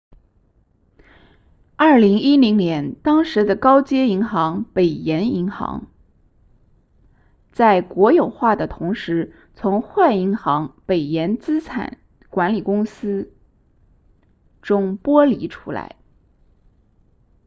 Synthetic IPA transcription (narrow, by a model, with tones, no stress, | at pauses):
ɐ˞˥˩li˧˥ŋi˥li˧˥ŋnjɛ˧˥nt̪ɑ˥ŋʂɻ̩˧˥d̪ə˧kɑ˥ʊt͡ɕjɛ˥i˧˥ŋxɑ˧˥ŋpe˨˩ɪjɛ˧˥ni˧˥ŋxɑ̰˧˥ŋ | t͡sa˥˩ɪkwɔ˧˥jo˨˩ʊxwa˥˩d̪ə˩t̪ʰʊ˧˥ŋʂɻ̩˧˥ | t͡sʰʊ˧˥ŋxwa˥˩ɪi˧˥ŋxɑ˧˥ŋpe˨˩ɪjɛ˧˥nt͡sɹ̩˥t͡sʰa̰˨˩˦n | kwa˧˥nli˨˩kʊ˥ŋsɹ̩˥ | ʈ͡ʂʊ˥ŋpwɔ˥lḭ˧˥ʈ͡ʂʰu˥la̰˧˥ɪ